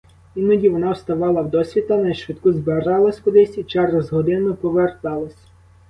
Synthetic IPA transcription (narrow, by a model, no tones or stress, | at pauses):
inɔdʲiʋɔnɑwst̪ɐʋɑlˠɐwd̪ɔsʲʋʲit̪ɐnɐjʃʋɪt̪kuzberɑlˠɐsʲkʊd̪ɪsʲit͡ʃɑrɐzɦɔd̪ɪnʊpɔʋert̪ɑlˠɐsʲ